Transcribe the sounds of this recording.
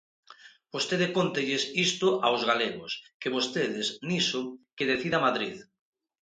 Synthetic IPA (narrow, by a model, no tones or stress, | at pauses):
b̥ost̪eðekont̪eʎɪsist̪oʔawzɣaleɣoskeβost̪eðɪsnisʊkeðeθiðamaðɾið